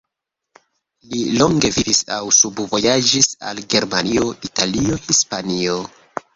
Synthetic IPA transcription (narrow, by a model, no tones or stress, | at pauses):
lilo̞ŋɡe̞vivisawsubvo̞jad͡ʒisa̰lɡe̞ɾmanio̞ʔitalio̞hispanio